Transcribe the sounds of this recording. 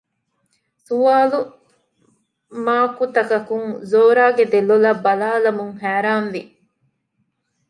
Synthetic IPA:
suʋaːlu | maːkut̪ɐkɐkuŋzoːɾaːɡed̪elulɐbːɐlaːlɐmuŋhæːɾaːnʋi

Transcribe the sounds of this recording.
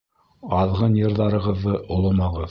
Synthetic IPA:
ɑðʁɤnjɤ̆ɾðɑɾɤ̆ʁɤ̆ðːɤʔŏlˠɤ̆mɑʁɤð

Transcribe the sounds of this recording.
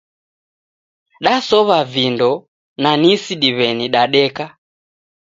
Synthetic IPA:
ɗasɔβavindɔ | nanisiɗiβɛniɗaɗɛka

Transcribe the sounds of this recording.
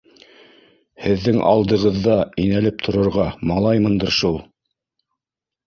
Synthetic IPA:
hɘ̆ðːɘŋʔɑ̰lˠd̪ɤ̆ʁɤ̆ðːɑinælɘp̚t̪ʰŏɾɤ̆ɾʁɑmɑlˠɑjmɤnd̪ɤ̆ɾʃulˠ

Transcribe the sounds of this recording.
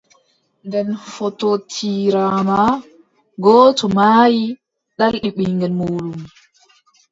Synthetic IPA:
ndɛnfɔtɔtʰiːɾama | ɡɔːtɔmaːji | ɗalɗiɓiŋɡɛnmuːɗum

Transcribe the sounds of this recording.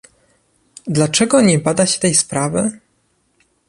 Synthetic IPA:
d̪lat͡ʂɛɡɔɲɛbad̪aɕɛ̥t̪ɛjspɾavɘ

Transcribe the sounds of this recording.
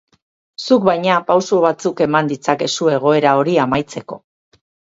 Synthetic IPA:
suk̚bajɲapawsuβ̞at͡suke̞mand̪it͡sake̞sue̞ɣ̞o̞e̞ɾao̞ɾiamajt͡se̞ko̞̰

